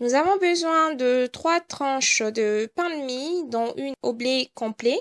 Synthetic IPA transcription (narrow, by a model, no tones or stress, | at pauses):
nuzavɔ̃bəzwɛ̃d̪ət̪χwat̪χɑ̃ʃd̪əpɛ̃d̪mid̪ɑ̃ʔynɔblekɔ̃ple